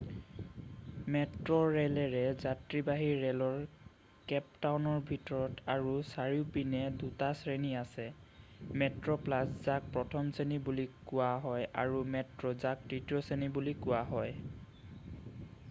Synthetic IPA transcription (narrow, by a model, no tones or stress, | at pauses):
mɛtɹɔɹɛlɛɹɛzatɹibaɦiɹɛlɔɹ | kɛp̚tawnɔɹbʱitɔɹɔtʰaɹusaɹiʊpinɛdutasɹeniasɛmɛtɹɔplaszak̚pɹɔtʰɔmsenibulikʊwaɦɔja̰ɹumɛtɹɔzak̚tɹitiɔsenibulikʊwaɦɔj